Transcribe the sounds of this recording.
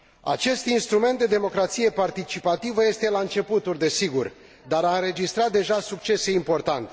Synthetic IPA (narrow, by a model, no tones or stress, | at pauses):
a̰t͡ʃe̞st̪inst̪ɾume̞nt̪̚d̪e̞d̪e̞mo̞kɾat̪sije̞part̪it͡ʃipat̪ivəje̞st̪elaɨnt͡ʃe̞put̪uld̪e̞siɡur | d̪aɾaɨnɾe̞d͡ʒist̪ɾat̪̚d̪e̞ʒasuk̚t͡ʃe̞se̞impo̞rt̪ant̪e